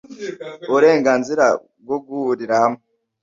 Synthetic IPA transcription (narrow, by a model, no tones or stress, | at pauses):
uɾe̞ːŋɡaːnziɾa̰ | b̚ɡoɡuhuɾiɾahame